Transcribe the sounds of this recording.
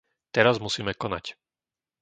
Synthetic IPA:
t̪ɛɾazmusiːmɛkɔna̰c

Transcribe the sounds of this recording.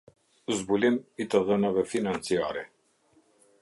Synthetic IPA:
zbulɛmit̪əðənavɛfinant̪t͡sia̰ɾɛ

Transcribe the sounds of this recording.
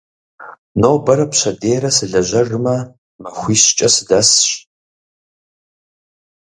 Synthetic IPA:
noːbɐɾɐpɕɐdeːɾɐsɨɮɐʑɐrɨmɐ | mɐxʷiːɕt͡ʃʼɐsɨdɐsɕ

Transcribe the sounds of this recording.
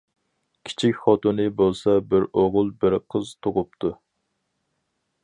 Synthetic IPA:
kʲʰi̥t͡ʃʰikʲχɑt̪unɨbolˠsɑbɪɾoʁʊlˠbɪɾqʰəzt̪ʰʊʁʊp̚t̪ʰu

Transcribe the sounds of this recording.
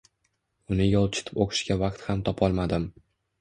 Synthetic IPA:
ʊnɪjɒlˠt͡ʃʰɪ̥t̪ʰɪ̥poqʰɨ̥ʃkʲavaqt̪hamt̪ʰɒpʰɒlˠmad̪ɪm

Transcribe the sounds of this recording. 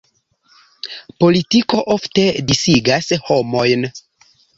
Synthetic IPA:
po̞litiko̞ʔofte̞disiɡasho̞mo̞jn

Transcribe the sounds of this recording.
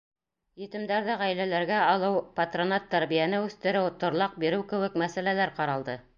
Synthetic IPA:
jɘ̆t̪ɘ̆md̪æɾðæʁæjlælæɾɡæɑlˠɤwpat̪ronɑt̪ːæɾβijænɘʉθt̪ɘ̆ɾɘwt̪ŏɾlˠɑq̚biɾɘwkɘ̆wɘ̆kmæsælælæɾqɑɾɑlˠd̪ɤ

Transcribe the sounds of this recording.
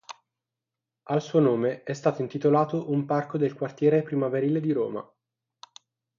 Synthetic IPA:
alsuːonoːmeɛst̪aːt̪oint̪it̪olaːt̪oʔumparkod̪elkwart̪jɛːɾepɾimaveɾiːled̪iɾo̰ːma̰

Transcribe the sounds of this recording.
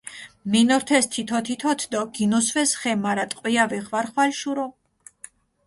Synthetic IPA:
minɔɾt̪ʰɛst̪ʰit̪ʰɔt̪ʰit̪ʰɔt̪ʰd̪ɔɡinɔsvɛsχɛmaɾat̪ʼqʼwiavɛʁvaɾχwalʃuɾɔ

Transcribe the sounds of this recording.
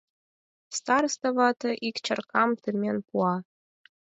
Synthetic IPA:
st̪ɑrst̪ɑvɑt̪ɤʔikt͡ɕərkɑmt̪ɨmʲenpuɑ

